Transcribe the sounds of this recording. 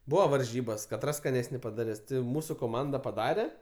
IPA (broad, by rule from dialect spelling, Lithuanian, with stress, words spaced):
ˈbuːʋɐ ʋɐrʲˈʒʲiːbɐs kɐˈtrɐs skɐˈnʲæːsʲnʲɪ pɐdɐˈrʲɛs tʲɪ ˈmuːsʊ koːˈmɐndɐ pɐˈdɑːrʲɛ